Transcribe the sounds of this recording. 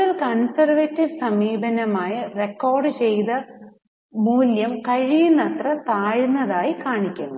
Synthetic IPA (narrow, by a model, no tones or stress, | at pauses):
ɐlkɐnsɐrʋetːiʋɨsɐmiːbɐnɐmaːjɐrekːo̞ːrɖɨt͡ɕejt̪ɐ | muːljɐmkɐɻijinɐt̪rɐt̪aːɻinːɐðaːjikaːɳikʲːunːu